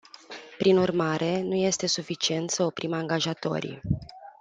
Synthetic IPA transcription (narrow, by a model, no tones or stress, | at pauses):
pɾinurmaɾʔe̞nuje̞st̪e̞sufit͡ʃie̞nt̪səopɾʔimaŋɡaʒat̪o̞̰ɾḭ